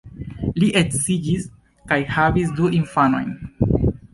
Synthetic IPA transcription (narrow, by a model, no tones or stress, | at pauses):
liʔetsid͡ʒis | kajhavis̬duʔinfano̞̰jn